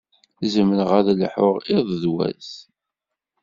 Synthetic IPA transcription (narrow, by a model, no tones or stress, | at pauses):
zəmənʁæðlħoʊʁɪðˤðwæ̰z